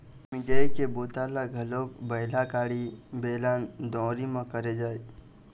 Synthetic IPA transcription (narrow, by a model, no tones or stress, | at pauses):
mɪd͡ʒəikeboːt̪alaɡʱəloːkbəɪlakaːɽibeːland̪ɔ̃ːɾimãkəɾed͡ʒaːet̪